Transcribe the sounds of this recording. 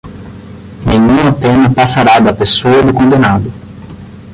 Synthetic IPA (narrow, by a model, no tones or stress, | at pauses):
nẽɲũɐpẽnɐpasaɾad̪ɐpesoɐd̪ʊkõnd̪enad̪ʊ